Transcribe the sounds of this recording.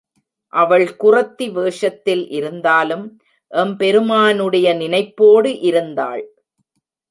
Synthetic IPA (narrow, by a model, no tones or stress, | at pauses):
ʔɐʋɐɭkʊrɐt̪ːiʋeːʂɐt̪ːɪlʔɪɾɯnd̪aːlɯm | ʔɛmpɛɾɯmaːnɯɽɐjɐnɪnɐɪpːoːɽɯʔɪɾɯnd̪a̰ːɭ